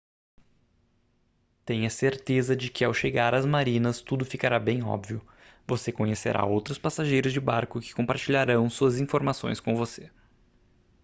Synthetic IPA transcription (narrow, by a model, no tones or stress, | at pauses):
t̪ẽj̃ɐseɾt̪ezɐd͡ʒɪkɪawʃeɡaɾɐzmaɾĩnɐst̪ud̪ʊfikaɾabẽj̃ɔ̰bviʊ | vosekõɲesḛɾʔa̰owt̪ɾʊspasaʒejɾʊzd͡ʒɪbaɾkʊkɪ̥kõpaɾt͡ʃiʎaɾɐ̃w̃suɐzĩfoɾmasõ̰j̃skõvose